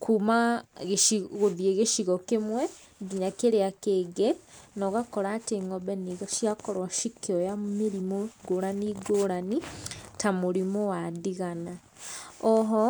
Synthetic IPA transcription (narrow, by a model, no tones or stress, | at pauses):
kʰumaɣeiɣoðjeɣeʃiɣɔkemwɛ | ɡiɲakeɾeakeɡɛnɔɣakɔɾaːteŋɔbɛniɣaʃiakɔɾwaʃikeɔjameɾimoɡoɾaniɡoːɾanitamoɾimowadiɣana | ɔɦɔ